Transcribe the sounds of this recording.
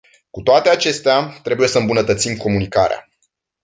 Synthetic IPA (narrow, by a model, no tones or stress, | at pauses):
kut̪oat̪e̞at͡ʃe̞st̪eat̪ɾe̞buje̞səɨmbunət̪ət̪simko̞munikaɾea̰